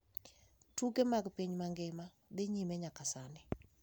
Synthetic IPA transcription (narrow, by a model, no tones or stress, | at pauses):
tuɡemaɡpiɲmaŋɡɪma | d̪ɪɲimɛɲakasanɪ